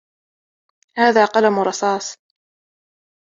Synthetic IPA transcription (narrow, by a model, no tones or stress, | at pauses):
haːðaːqɑlamʊɾˤɑsɑːsˤ